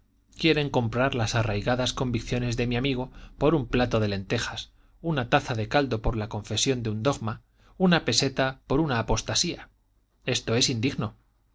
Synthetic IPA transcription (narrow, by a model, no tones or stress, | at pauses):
kje̞ɾe̞ŋko̞mpɾaɾlasarajɣaðasko̞mbikθjo̞ne̞zðe̞miamiɣo̞po̞ɾumplat̪o̞ðe̞le̞nt̪e̞xas | unat̪aθaðe̞kald̪o̞po̞ɾlako̞ɱfe̞sjo̞nd̪eund̪o̞ɣma | unape̞se̞t̪apo̞ɾunaːpo̞st̪asia | e̞st̪o̞e̞sind̪iɣno̞